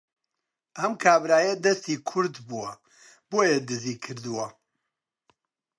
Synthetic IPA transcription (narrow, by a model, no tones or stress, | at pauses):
ʔɐmkʰaːbɾaːjɐd̪ɐst̪ikʰʊɾd̪buwɐ | b̥oːjɐd̪ɨzikʰɨɾd̪uwɐ